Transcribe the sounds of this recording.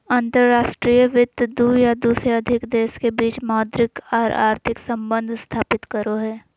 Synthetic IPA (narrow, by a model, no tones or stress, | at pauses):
ãnt̪əɾɾaːʃʈɾiːjəʋɪt̪d̪uːjad̪uːsɾeɐd̪ʱɪkd̪eːskebiːt͡ʃmɔːd̪ɾɪkɔːɾa̰ːɾt̪ʰɪksə̃mbə̃nd̪ʱst̪ʰaːpɪt̪kəɾoɦɛː